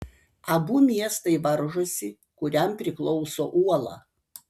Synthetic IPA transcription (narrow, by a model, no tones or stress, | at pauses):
ɐbuːmʲiɛst̪ɐɪʋɐɾʒosʲɪ | kʊɾʲɛmpʲɾʲɪklˠɔʊsoːʔuɔlˠɑ̰ː